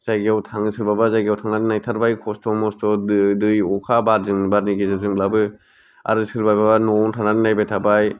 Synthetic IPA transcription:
zajɡawtʰaŋɯsɯɾbabazajɡawtʰaŋnaninajtʰaɾbajkʰɔstʰɔmɔstʰɔdɯjɔkʰabaɾzɯŋbaɾniɡezɯɾzɯŋblabɯ | a̰ɾɯsɯɾbajbabanɔntʰananinajbajtʰabaj

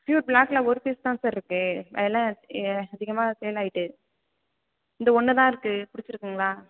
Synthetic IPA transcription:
fjuːɾblaːklaɔɾɯpeːst̪ãːsɐɾɪɾɯkːɯɐ̰ðɛlːãːɐðɪɣɐmaːsɛjɐlaːjɪʈːɯ | ɪnd̪ɐɔɳːɯt̪ãːɪɾɯkːɯpʊɽɪt͡ʃːɪɾɯkːɯŋɡɐɭaː

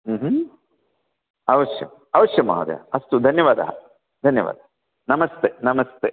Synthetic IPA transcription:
ɦ̩ːɦ | ɐʋɐʂjɐ̰m | ɐʋɐʃjɐma̰ːʋɐd̪ḛɐst̪ud̪ʱɐnjɐʋaːd̪ɐɦɐ̰ | d̪ʱɐnjɐʋa̰ːd̪ɐɦɐ | nɐmɐst̪ʰeːnɐmɐst̪eː

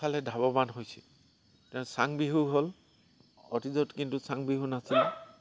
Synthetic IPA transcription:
alɛdʱabɔbanɦojsi | tɛ̃saŋbiɦuɦol | ɔtizɔtkintusaŋbiɦunasilɛ

